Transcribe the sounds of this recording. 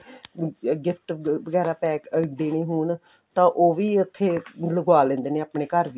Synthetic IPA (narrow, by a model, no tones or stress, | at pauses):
ɡɪpʰʈʋəɡɛːɾaːpɛːkd̪eːɽ̃iːɦuːɳ | t̪ãːʔoːʋiːət̪ʰːeːləɡaːlẽːnd̪eːneːaːpɽeːkəɾʋ